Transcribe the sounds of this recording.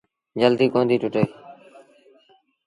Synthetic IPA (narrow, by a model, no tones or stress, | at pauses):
d͡ʒəld̪iːkõːnd̪iːʈʊʈeeː